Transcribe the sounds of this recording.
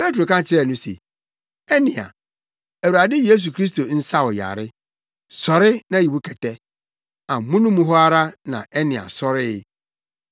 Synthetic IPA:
pe˦tɾo˨kã˦t͡ɕʰɪ˦ɾɛ˨nʊ̃˦sḛ˨ | ɛ˦nɪ̃˨a̰˨ | æ˨wɾa˨dɪ˦je˦s̬u˨kʰɾi˦s̬to˨n̩˦sa˦wɔ˨ja̰˨ɾɪ˦ | sɔ˨ɾɪ˦nã˨i˨wu˦kʰɛ˨tɛ˦ | ã˨mũ˦nũ˦mũ˦ɦɔ˦a˦ɾa˦nã̰˨ɛ˦nɪ̃˨a̰˨sɔ˦ɾɪ˦

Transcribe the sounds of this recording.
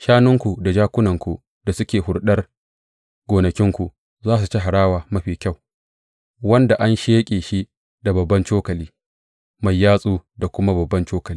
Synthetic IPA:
ʃaː˦nʊ˦ŋkʷu˨da˨d͡ʒaː˦kʷʊ˦nɐ˨ŋkʷṵ˨ | d̥a˨sʊ˦kʲeː˨hʊ˨ɽɗɐ˦r | ɡ̥oː˨nɐ˨kʲɪ˦ŋkʷu˨ | zaː˦s̬u˨t͡ʃi˦ɦa˨ɽaː˦waː˨mɐ˦ɸiː˨kʲa˦˨w | wɐ˦nda˨ʔa˦nʃeː˦kʲʼeː˨ʃi˦ | da˨bɐ˨bːɐ˦nt͡ʃoː˦kɐ˨liː˦ | ma˨jːaː˦sʼuː˦da˨kʷʊ˦ma˦bɐ˨bːɐ˦nt͡ʃoː˦kɐ˨liː˦

